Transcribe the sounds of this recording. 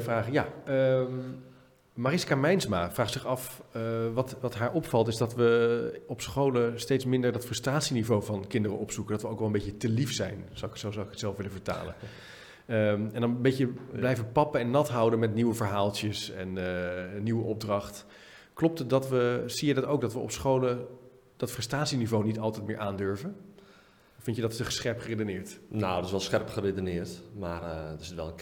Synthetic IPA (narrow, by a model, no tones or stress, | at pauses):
fraːχjaə | marɪskaːmɛjnsma̰ːfraːχsɪχɑfʋɑtʋɑtɦaːɹʔɔpfɑlˠtɪzdɑtʋəɔpsχowləstejtsmɪndəɹdɑtfrɵstraːtsinivowvɑnkɪndərənɔpsukəndɑtʋəowkʋɛlˠəmbejcətəlifsɛjnzwsozawɪkətsɛlˠfʋɪləvəɹta̰ːlə̰n | əɛndɑnbejcəblɛjfəʋəpɑpəɛnːɑtɦʌwdənmɛtniwəvəɹɦaːlˠtjəsɛ̰nː | iʋəʔɔb̚drɑχt | klɔp̚tdɑtʋəz̥ijədɑtowk̚dɑtʋəɔ̰psχowlə | d̥ɑtfrɛstaːtsinivownitɑlˠtɛjtmɪːɹʔaːndɵɹvən | fɪntjədɑtstəχə̥sχɛɹpχəredənɪːɹtnoətɪsʋɛlˠsχɛɹpχəredənɪːɹtmaːrɪstʋɛlˠə